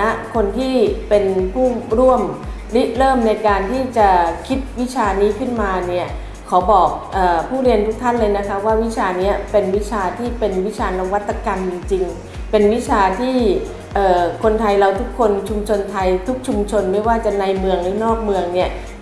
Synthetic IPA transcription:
a˦˥kʰo˧nt̪ʰiː˥˩pe˧npʰuː˥˩ɾu˥˩əm | li˦˥ɾɤː˥˩mna˧jkaː˧nt̪ʰiː˥˩t͡ɕa˨˩kʰi˦˥t̪̚wi˦˥t͡ɕʰaː˧niː˦˥kʰɯ˥˩nmaː˧ni˥˩ɐ | kʰa˩˦wbɔː˨˩k̚ʔɤː˨˩pʰuː˥˩ɾi˧ənt̪ʰu˦˥k̚t̪ʰa˥˩nlɤː˧jna˦˥kʰa˦˥p̚waː˥˩wi˦˥t͡ɕʰaː˧ni˦˥ɐpe˧nwi˦˥t͡ɕʰaː˧t̪ʰiː˥˩pe˧nwi˦˥t͡ɕʰaː˧na˧ŋwa˦˥t̪ːa˧ka˧mt͡ɕi˧ŋt͡ɕi˧ŋ | pe˧nwi˦˥t͡ɕʰaː˧t̪ʰiː˥˩ | ʔɤː˨˩kʰo˧nt̪ʰa˧jɾa˧wt̪ʰu˦˥kʰːo˧nt͡ɕʰu˧mt͡ɕʰo˧nt̪ʰa˧jt̪ʰu˦˥k̚t͡ɕʰu˧mt͡ɕʰo˧nma˥˩jwaː˥˩t͡ɕa˨˩na˧jmɯ˧əŋlɯː˨˦nɔː˥˩k̚mɯ˧əŋni˦˥˩ɐ

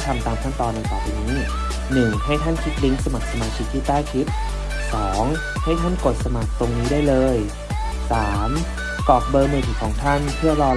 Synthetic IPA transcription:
t̪ʰa˧mt̪aː˧mt̪ʰa˥˩t̪ɔː˧nːa˧jkaː˨˩piː˧niː˦˥ | nɯ˨˩ŋha˥˩jt̪ʰa˥˩nkʰi˦˥t̪̚dɯ˦˥ŋsa˧ma˨˩k̚sa˧maː˧t͡ɕʰi˦˥k̚t̪ʰiː˥˩t̪aː˥˩jkʰi˦˥p̚ | sɔː˩˦ŋ | ha˥˩jt̪ʰa˥˩nko˨˩t̪̚sa˧ma˨˩k̚t̪o˧ŋniː˦˥daː˥˩jlɤː˧j | saː˩˦m | kɔː˨˩k̚bɤː˧meː˧t̪ʰiː˨˩kʰɔː˩˦ŋt̪ʰa˥˩npʰɯ˥˩əlɔː˧

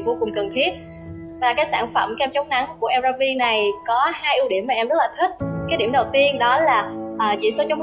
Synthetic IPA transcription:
vo˧˩kʊ˨˩ŋ͡mkə˨˩nt̪ʰi˦˥ət̚ | vaː˨˩kaː˨˦jsa̰ː˧˩ŋfə˧˩mkːɛ˧mt͡ɕa˨˦wŋ͡mna˨˦ŋkku˧˩ʔɛ˧zaː˧vi˧na˨˩jkɔ˨˦haː˧jʔi˧ɗi˧˩əmaː˨˩ʔɛ˧mzə˦˥laː˨˩t̪ʰï˦˥t̚kaː˨˦jɗi˧˩əmɗə˨˩wt̪i˧ənɗɔ˨˦laː˨˩ʔəː˨˩t͡ɕḭ˧˩so˨˦t͡ɕa˨˦wŋ͡m

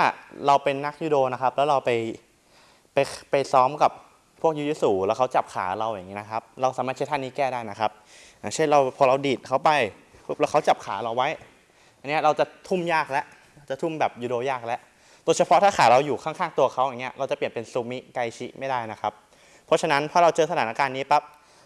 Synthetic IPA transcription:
aː˥˩ɾa˧wpe˧nːa˦˥k̚juː˧doː˧na˦˥kʰa˦˥p̚lɛː˦˥wɾa˧wpa˧j | pa˧jpa˧jsɔː˦˥mka˨˩pʰː | u˥˩ək̚ju˦˥juː˦˥suː˨˩lɛː˦˥wkʰa˦˥wt͡ɕa˨˩p̚kʰa̰ː˩˦ɾa˧wja˨˩ŋːi˦˥na˦˥kʰa˦˥p̚ɾa˧wsaː˨˦maː˥˩t͡ɕa˦˥jt̪ʰa˥ni˦˥kɛː˥˩daː˥˩jna˦˥kʰa˦˥p̚ | jjaː˨˩ŋt͡ɕʰe˥˩nɾa˧wpʰɔː˧ɾa˧wdiː˨˩t̪̚kʰa˦˥wpa˧jʰ | u˦˥˩p̚lɛ˦˥kʰa˦˥wt͡ɕa˨˩p̚kʰa̰ː˩˦ɾa˧wːa˦˥j | ʔa˧nːi˦˥ɐ˧˩ɾa˧wt͡ɕa˨˩t̪ʰu˥˩mjaː˥˩k̚lɛ˦˥ʔ | a˧wt͡ɕa˨˩t̪ʰu˥˩mbɛː˨˩p̚juː˨˩doː˧jaː˥˩k̚lɛ˦˥ʔ | t̪u˧əjt͡ɕʰa˧pʰɔ˦˥t̪ʰaː˥˩xʰaː˩˦ɾa˧wjuː˨˩kʰa˥˩ŋkʰaː˥˩ŋt̪u˧ɐkʰa˦˥wja˨˩ŋːi˦˥ɐ˧ʔɾa˧wt͡ɕa˨˩pi˨˩ənpe˧nsu˧mi˦˥ka˧jt͡ɕʰḭ˦˥ʔma˥˩jdaː˥˩jna˦˥kʰa˦˥p̚ʰː | ɔ˦˥t͡ɕʰa˧na˦˥npʰɔː˥˩ɾa˧wt͡ɕɤː˧sa˧aː˩˦na˦˧kaː˧nːiː˦˥pa˦˥p̚

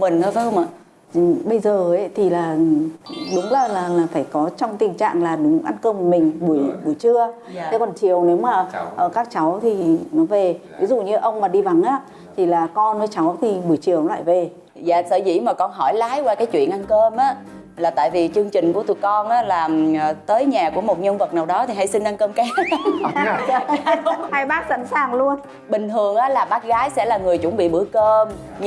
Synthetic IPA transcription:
mï˨˩ŋ̟əː˧˦və˨˧˦ə˧wmʔə˧˩˨ | ɓə˧jzəː˨˩ə˨˦t̪ʰi˨˩laː˨˩˨ɗʊ˨˦ŋ͡mlaː˨˩laː˨˩laː˨˩faː˧˩jkɔ˨˦t͡ɕɔ˧wŋ͡mt̪ï˨˩ŋt͡ɕa̰ː˧˨ŋlaː˨˩ɗʊ˨˦ŋ͡mʔa˧nkəː˧m˨˩mï˨˩ŋ̟ɓu˧˩əjɓu˧˩jt͡ɕɨ˧ə | t̪ʰe˨˧˦kɔ˨˩nt͡ɕi˨˩əwne˨˦wmaː˨˩ʔəː˧˩kaː˦˥k̚t͡ɕa˨˦wt̪ʰi˨˩nɔ˨˦ve˨˩vi˨˦zṵ˧˨ɲɨ˧ʔə˧wŋ͡mmaː˨˩ɗi˧va˨˦ŋʔaː˧˦˥ | t̪ʰi˨˩laː˨˩kɔ˧nvəː˨˦jt͡ɕa˨˦wt̪ʰi˨˩ɓu˧˩əjt͡ɕi˨˩əwla̰ː˧˨jve˨˩ | za̰ː˧˨sə̰ː˧˩zḭ˧˩maː˨˩kɔ˧nɦɔ˧˩jlaː˨˦jkwaː˧kaː˨˦jt͡ɕwḭ˧˨ənʔa˧nkəː˧mʔaː˨˦ | laː˨˩t̪a̰ː˧˨jvi˨˩t͡ɕɨ˧əŋt͡ɕï˨˩ŋ̟ku˧˩ət̪ṵ˨˩əkɔ˧nʔaː˨˦laː˨˩mː˨˩t̪əː˨˦jɲaː˨˩ku˧˩əmo˨˩t̚ɲə˧nvə˨˩t̚naː˨˩wɗɔ˨˦t̪ʰi˨˩ɦa˧jsi˧ŋʔa˧nkəː˧mka˨˦˧ | ha˧jɓaː˦˥k̚sa̰˧˥˨nsaː˨˩ŋlu˧ən | ɓï˨˩ŋ̟t̪ʰɨ˨˩əŋʔaː˨˦laː˨˩ɓaː˦˥k̚ɣaː˨˦jsɛ̰˧˥laː˨˩ŋɨ˨˩əjt͡ɕʊ˧˩ŋ͡mɓḭ˧˨ɓɨ˧˩əkəː˧m

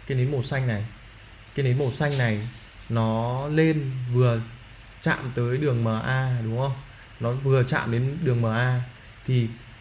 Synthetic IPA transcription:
kaː˨˦jne˨˦mo˨˩t̚sa˧jŋ̟na˨˩j | kaː˨˦jne˨˦nmo˨˩t̚sa˧jŋ̟na˨˩j | nɔ˨˦le˧nvɨ˨˩ə | t͡ɕa̰ː˧˨mt̪əː˨˦jɗɨ˨˩əŋməː˨˩ʔaː˧ɗʊ˨˦ŋ͡mhə˧wŋ͡m | nɔ˨˦vɨ˨˩ət͡ɕa̰ː˧˨mɗe˨˦nɗɨ˨˩əŋməː˨˩ʔaː˧ | t̪ʰi˨˩

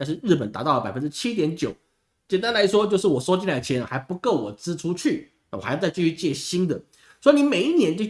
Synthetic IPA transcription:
a˥˧nʂɻ̩˥˧ɻɻ̩˥˩p̬ə˨˩nt̪a̰˧˥t̪ɑ˥ʊlə˩pa˨˩ɪfə˥nʈ͡ʂɻ̩˥t͡ɕʰi˦˥t̪jɛ˧˥nt͡ɕjo˨˩˦ʊ | t͡ɕjɛ˨˩nt̪a˥nla˧˥ɪʂwɔ˥t͡ɕjo˥˧ʊʂ̬ɻ̩˥˩wɔ˨˩ʂo˥ʊt͡ɕi˥˧nla˧˩t͡ɕʰɛ˧˥n˨xa˧˥ɪpu˧˥ko˥˩ʊwɔ˨˩t͡sɹ̩˥ʈ͡ʂʰu˥t͡ɕʰy˥˩ | n˥˩wt͡sa˧t͡ɕy˥˧˩y˥˧t͡ɕjɛ˥˩ɕi˥nd̪ə˨ | swɔ˥i˧ni˧˥me˨˩ɪi˥˧njɛ˧˥nt͡ɕo˥˧

